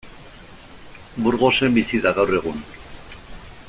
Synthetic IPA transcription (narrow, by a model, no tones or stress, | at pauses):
buɾɣo̞se̞mbisiðaɣawre̞ɣ̞un